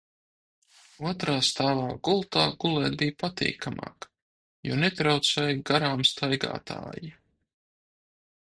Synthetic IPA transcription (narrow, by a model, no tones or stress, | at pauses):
uɔt̪ɾaːst̪aːlaːɡulˠt̪aːɡulˠɛːt̪̚bijpat̪ḭːkʰama̰ːk | juːnet̪ɾawt̪sɛjɡaɾaːmst̪ʰajɡa̰ːt̪ʰa̰ːji